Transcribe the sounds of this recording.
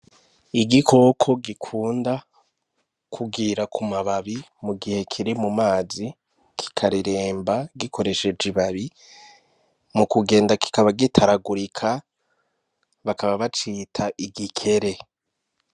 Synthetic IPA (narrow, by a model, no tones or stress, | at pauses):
iɡikʰo̞ːkʰo̞ɡikʰuːnda | kʰuɡiɾakʰumaβaβimuɡihe̞kʰiɾimumaːzi | kʰi̥kʰaɾiɾe̞ːmbaɡikʰo̞ɾe̞ʃe̞d͡ʒiβaβi | mukuɡe̞ːndaki̥kaβaɡitʰaɾaɡuɾikʰa | βakaβaβat͡ʃiːtʰaʔiɡikʰe̞ɾe̞